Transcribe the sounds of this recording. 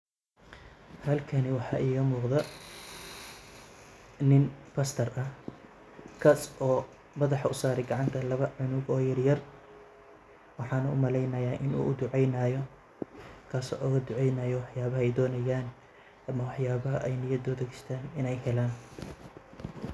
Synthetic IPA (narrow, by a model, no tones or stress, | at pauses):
hɐlkʰɐnɪwɑħɑːʔiːɣɐmuːqðɐ | nɪnpʰɐst̪ʰɐrʔɐh | kʰaːsʔɔː | mɐðɑħɑʊsaːɾɛɡɐʕɑnt̪ʰɐlɐβɐʕʊnʊɡɔːjɐrjɐr | wɑħɑːnɐʊmɐlɛjnɐjaːʔɪnṵːʔʊd̪ʊʕɛjnɐjɔ | kʰaːsɔːʔɔːɣɐd̪ʊʕɛjnɐjɔwɑħjaːβɐɦɛjd̪ɔːnɐjaːn | ɐmɐwɑħjaːβɐɦɐʔɛjnɪjɐd̪ɔːd̪ɐɣɪst̪ʰaːnɪnɛjɦɛlaːn